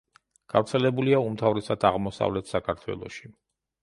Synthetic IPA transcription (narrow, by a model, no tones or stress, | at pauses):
ɡ̥a̰vɾt̪sʰɛlɛbuliaumt̪ʰavɾɛsad̪aʁmɔsa̰vlɛt̪ʰsakʰaɾt̪ʰwɛ̰lˠɔ̰ʃi̥